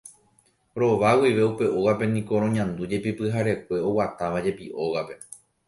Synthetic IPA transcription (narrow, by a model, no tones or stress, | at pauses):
ɾo̞ʋawiʋe̞upe̞ʔoɣape̞nĩko̞ɾõɲãnd̪ud͡ʒe̞pipɨɦaɾe̞kʷe̞o̞wat̪aʋad͡ʒe̞piʔo̞ɣape̞